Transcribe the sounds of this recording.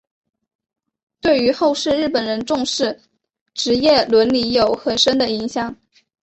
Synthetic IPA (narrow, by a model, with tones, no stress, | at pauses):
t̪we˥˩ɪy˧˥xo˥˧ʊʂɻ̩˥˧ɻɻ̩˥˩pə˨˩nɻə˧˥nʈ͡ʂʊ˥˧ŋʂɻ̩˥˩ | ʈ͡ʂɻ̩˧˥jɛ˥˩lwə˧˥nli˧˥jo˨˩ʊxə˨˩nʂə˥nd̪ə˨i˧˥ŋɕjɑ˨˩˦ŋ